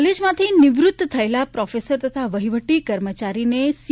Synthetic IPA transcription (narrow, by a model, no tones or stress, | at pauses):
led͡ʒmãt̪ʰinɪʋɾʊt̪ːt̪ʰːəelapɾɔfesəɾt̪ət̪ʰaʋəɦiʋəʈːikəɾmət͡ʃaɾines